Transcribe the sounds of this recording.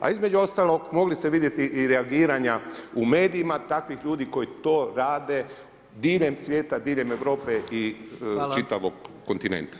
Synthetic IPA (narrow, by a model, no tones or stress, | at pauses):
a̰izme̞d͡ʒuo̞st̪alˠo̞ɡmo̞ɡlist̪eʋid̪je̞t̪iʔiɾeaɡiːɾaɲaume̞ːd̪iimat̪akʋixʎuːd̪iko̞jit̪o̞ːɾaːd̪e̞ | d̪iːʎe̞msʋje̞ːt̪ad̪iːʎe̞me̞ʋɾo̞ːpe̞ʔit͡ʃit̪aʋoɡːont̪inḛnt̪ḁ